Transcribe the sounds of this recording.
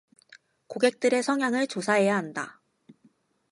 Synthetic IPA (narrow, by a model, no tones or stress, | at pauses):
koɡe̞k̚t͈ɯɾe̞sʰʌŋjaŋɯɭt͡ɕosʰaɦe̞jaɦanda̰